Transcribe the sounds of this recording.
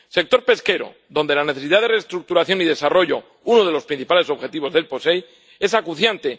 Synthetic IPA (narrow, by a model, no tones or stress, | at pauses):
se̞k̚t̪o̞ɾpe̞ske̞ɾo̰ | ðo̞nd̪e̞lane̞θe̞siðaðerest̪ɾuk̚t̪uɾaθjo̞nið̞e̞saro̞ʝo̞ | unoð̞e̞lo̞spɾin̟θipale̞so̞βxe̞t̪iβo̞zðe̞lpo̞se̞j | e̞sakuθjant̪e̞